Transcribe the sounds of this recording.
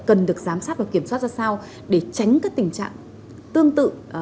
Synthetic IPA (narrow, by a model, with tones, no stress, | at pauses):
kə˨˩nɗɨ˨˩ək̚zaː˨˦msaː˦˥t̚vaː˨˩wki˧˩əmswaː˦˥t̚zaː˧sa˧w | ɗe˧˩t͡ɕa˨˦jŋ̟kaː˦˥k̚t̪ï˨˩ŋ̟t͡ɕa̰ː˧˨ŋ | t̪ɨ˧əŋt̪ɨ̰˧˨